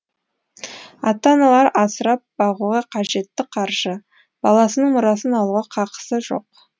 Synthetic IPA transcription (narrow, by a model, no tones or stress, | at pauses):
ɑ̰t̪ːɑnɑlˠɑɾɑsəɾɑp̚b̥ɑʁuʁɑqʰɑʒe̞t̪ːɪqʰɑɾʒ̥ə | b̥ɑ̰lˠɑsənəɴmʊɾɑsənɑlˠuʁɑqʰɑqə̥səʒo̞̰q̚